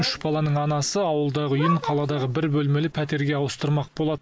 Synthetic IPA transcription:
ʏʃb̥ɑlˠɑnəɴɑnɑsəɑwəlˠd̪ɑʁəʏjəɴqʰɑlˠɑd̪ɑʁəbɪɾbɵlme̞lɪpʰæt̪̬e̞ɾɡʲe̞ɑwəst̪əɾmɑq̚bo̞lˠɑd̪

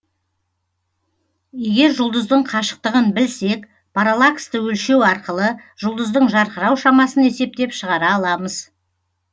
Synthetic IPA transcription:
je̞ɡʲe̞ɾʒʊlˠd̪əzd̪əɴqʰɑʃə̥q̚t̪əʁənbɪlse̞k | pʰaɾalˠakst̪əwɵlʃe̞wɑɾqəlˠə | ʒ̥ʊlˠd̪əzd̪əɴʒɑɾqəɾɑwʃɑmɑsəne̞se̞p̚t̪e̞pʃəʁɑɾɑːlˠɑməz

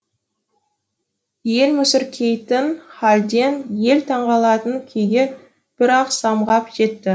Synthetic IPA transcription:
je̞lmʏsɪɾkʲʰe̞jt̪ɪnχɑlʲd̪e̞nje̞lt̪ʰɑɴʁɑlˠɑt̪əŋkʲʰejɡʲe | b̥ɪɾɑqsɑmʁɑpʒ̥e̞t̪ːɪ

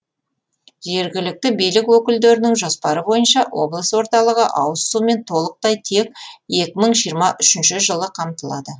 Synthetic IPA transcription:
ʒe̞ɾɡʲɪlɪk̚t̪ɪbijlɪkwɵkʲɪld̪e̞ɾɪnɪŋʒospɑɾəbo̞jənʃɑwo̞̰blˠəswo̞ɾt̪ɑlˠəʁəʔɑwəsume̞nt̪ʰo̞lˠəq̚t̪ɑjt̪ʰe̞k̚e̞kʲɪməɴʒijəɾmɑʔʏʃɪnʃɪʒəlˠəqʰɑmt̪əlˠɑ̰d̪ə

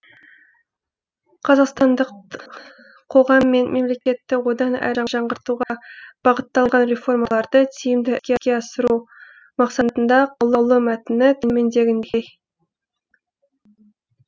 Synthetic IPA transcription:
qʰɑzɑqst̪ɑnd̪əq | qʰo̞ʁɑmːe̞nmʔe̞mle̞kʲe̞t̪ːɪwo̞d̪ɑnæ̰jɾɑʒɑɴʁəɾt̪uʁɑb̥ɑʁət̪ːɑlˠʁɑnɾe̞fo̞rmɑlˠɑɾd̪ət̪ʰijɪmd̪ɪkʲekʲe̞ɑsəɾu | mɑqsɑt̪ənd̪ɑqʰʊlˠəwlˠəmæt̪ɪnɪt̪ʰɪnme̞nd̪e̞ɡʲɪnd̪e

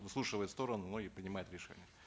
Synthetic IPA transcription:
vɨsˠuʂɨvəjɪt̪st̪o̞ɾənʊnoɪpɾʲɪnʲɪmajʊt̪ɾʲɪʂɛ̰nʲɪjə

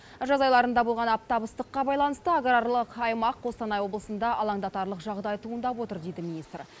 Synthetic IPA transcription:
ʒɑzɑjlˠɑɾənd̪ɑbolˠʁɑnɑp̚t̪ɑbəst̪əqːɑbɑjlˠɑnəst̪əaɡrɑɾlˠəqɑjmɑqːo̞st̪ɑnɑjwo̞blˠəsənd̪ɑʔɑlˠɑŋd̪ɑt̪ɑɾlˠəqʒɑʁd̪ɑjt̪ʰuənd̪ɑpwo̞t̪əɾd̪e̞jd̪ɪminijst̪r

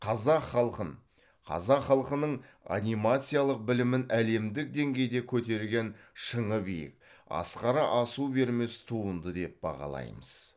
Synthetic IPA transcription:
qʰɑzɑqχɑlˠqəɴ | qʰɑ̰zɑqχɑlˠqənəɴ | a̰nʲijmat̪sɨijalˠəq̚bɪlɪmɪnæle̞md̪ɪk̚d̪e̞ŋɡʲe̞jd̪e̞kʲʰɵt̪e̞ɾɡʲe̞nʃəɴəbijɪ̰kɑ̰sqɑɾɑʔɑsube̞ɾme̞st̪ʰuənd̪əd̪e̞p̚bɑ̰ʁɑ̰lˠɑ̰jməz̥

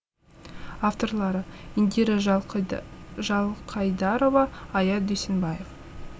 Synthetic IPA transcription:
aft̪o̞rlˠɑɾəind̪ʲeɾɪ | ʒɑlˠqʰɑjd̪ɑɾo̞vɑːjɑt̪̚d̪ɵjsenbɑjef

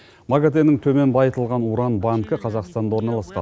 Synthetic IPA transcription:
maɡat̪enɪŋt̪ʰɵme̞nbɑjət̪əlˠʁɑnuɾɑnbaŋkəqʰɑzɑqst̪ɑnd̪ɑwo̞ɾnɑlˠɑsqɑ

